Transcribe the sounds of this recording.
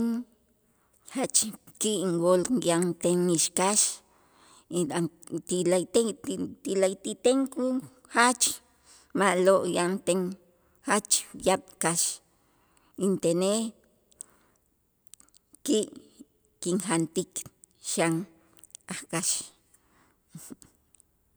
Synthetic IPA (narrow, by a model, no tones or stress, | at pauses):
ŋ | hat͡ʃkiʔŋwoljant̪eŋːiʃkaʃ | iat̪ilat̪et̪ilajt̪it̪eŋku | xat͡ʃ | maʔloʔjant̪eŋ | xat͡ʃjaɓ̥kaʃ | int̪ene | kiʔ | kiŋxant̪ik | ʃaŋ | aχkaʃ